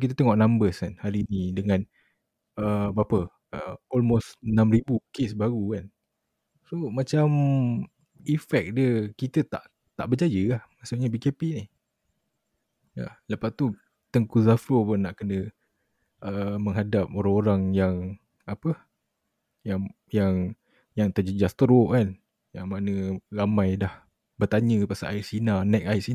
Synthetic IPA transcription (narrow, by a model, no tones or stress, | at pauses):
kit̪̬ət̪eŋɔʔnãmbəskanhaɾiːnĩdəŋãn | əbapə | əɔlmostənãmribukesbaɣukan | somãt͡ʃam | ifɛk̚diəkit̪ət̪aʔ | t̪a̰ʔbəd͡ʒajəahmasuʔɲabikepinih | a̰ləpast̪u | t̪əŋkuzafəpʊnaʔkənə | ʔəməŋɦadap̚oɾaŋoɾaŋjaŋ | apə | jaŋ | jaŋ | jaŋt̪ərd͡ʒəd͡ʒast̪ɾokan | jaŋmanə̃ramãjdah | bərt̪aɲə̃pasa̰ʔaisinanɛk̚aisi